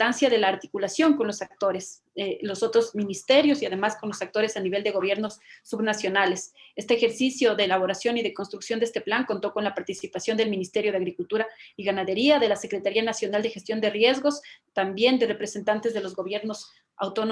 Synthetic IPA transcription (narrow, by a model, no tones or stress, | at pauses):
t̪ansjaðe̞laːɾt̪i̥kulasjo̞ŋko̞nlo̞sak̚t̪o̞ɾe̞s | lo̞so̞t̪ɾo̞zmĩnist̪e̞ɾjo̞siaðe̞masko̞nlo̞sak̚t̪o̞ɾe̞saniβe̞ld̪e̞ɣ̞o̞βje̞ɾno̞sːuβnasjo̞nale̞se̞st̪eːxe̞ɾsisjo̞ðe̞ːlaβ̞o̞ɾasjo̞niðe̞ko̞nst̪ɾuksjond̪eest̪e̞plaŋko̞nt̪o̞ko̞nlapaɾt̪isipasjo̞nd̪e̞lmĩnist̪e̞ɾjo̞ðe̞aɣɾikult̪uɾaiɣanaðe̞ɾiaðe̞lase̞kɾe̞t̪aɾianasjo̞nald̪exest̪jo̞nd̪e̞rje̞zɣost̪ambje̞nd̪e̞re̞pɾe̞se̞nt̪ant̪e̞zðe̞lo̞zɣo̞β̞je̞ɾno̞s | a̰wt̪o̞no